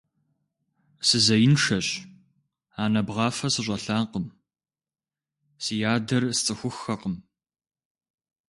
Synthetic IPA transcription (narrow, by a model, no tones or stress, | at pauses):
sɨzɐjɪnʂɐɕ | aːnɐbʁɑːfɐsɨɕ̬ʷʼɐɬaːqəm | sɨjaːdɐrst͡sʼɨxʷʊxːɐqəm